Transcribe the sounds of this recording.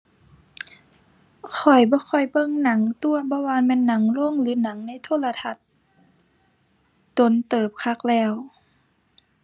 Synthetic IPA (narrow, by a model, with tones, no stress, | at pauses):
kʰɔ˨˩jbɔː˧˦kʰɔ˧˨˩jbɤ˧˨ŋna˨˩˦ŋt̪u˧˨ɐbɔː˧˦waː˧˨nmɛː˧˥˨nːa˨˦ŋlo˧˥˨ŋlɯː˨˦na˨˦ŋna˧˥˨jt̪ʰoː˧˥˨la˧t̪ʰa˧t̪̚ | do˧˦nt̪ɤː˨˩p̚kʰa˧˥k̚lɛː˧˩w